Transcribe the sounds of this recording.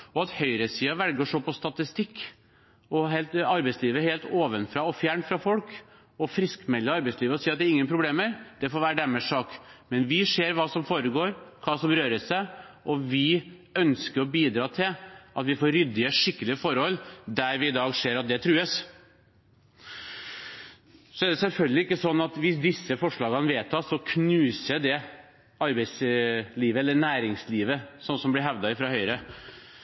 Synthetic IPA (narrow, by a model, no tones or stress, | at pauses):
ɔɑt̪hœʏɾəsiːɑʋælɡəʂɔpʰɔst̪ɑt̪ɪst̪ɪkː | ɔɦeːlt̪ɑɾbæɪsliːʋəheːlt̪oːʋənfɾɑːɔfjæːɳfɾɑfɔlk | ɔfɾɪskmɛlːəɑɾbæɪsliːʋəɔsiːɾɑt̪d̪ɛɾɪŋːənpʰɾʊbleːməɾd̪̥ɛfoːɾʋæːɾəɖ̪æmɛsɑːkmɛnʋɪʂeːɾʋɑːsɔmfoːɾəɡoːɾkʰɑːsɔmɾøːɾəsæʔɔʋɪœnskəɾɔbiːd̪ɾɑːt̪ʰɪlʔɑt̪ʋɪfoːɾːʏd̪ːɪəʂɪkːəlɪəfɔɾhɔlːd̪æɾʋɪɪd̪ɑːɡʂeːɾɑt̪̚d̪ɛt̪ʰɾʉːəs | sɔæd̪ɛsɛlfœlɡəlɪɪkːəsɔnːɑt̪ʋɪsd̪ɪsːəfɔʂɭɑːɡɑnəʋeːt̪ʰɑːsɔkʰnʉːsəd̪ɛ | ɑɾbɛɪsliːʋəɛlːəɳæːɾɪŋsliːʋəsɔnːsɔmblɪɦæʋd̪ɑɪfɾɑhœʏɾə